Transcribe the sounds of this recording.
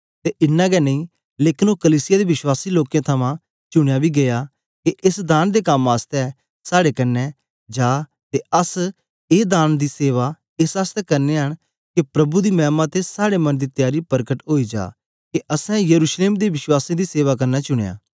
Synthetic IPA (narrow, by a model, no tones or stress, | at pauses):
t̪eːʔɪnːãːɡɛːnə̃ĩː | leːkɪnoːkəliːsɪjaːd̪eʋɪʃwaːsiːloːkjãːt̪ʰɐmãː | t͡ʃʊɽ̃ejaːbʱiːɡɐjaː | keʔɪsd̪aːnd̪eːkɐmaːst̪ɛː | saːɽeːkɐɾnːɛː | d͡ʒaː | t̪eəs | eːd̪aːnd̪iːseːʋaː | ɪsəst̪ɛːkɐɾneːɦəɽ̃ | kepɾɐbuːd̪iːmɛ̃ːmãːt̪esaːɽemɐnd̪iːt̪jaːɾiːpəɾkəʈɦoːiːd͡ʒa̰ː | keʔəsɛ̃jəɾuːʃleːmd̪iːʋɪʃwaːsẽːd̪iːseːʋaːkɐɾnaːt͡ʃʊɽ̃ḛja̰ː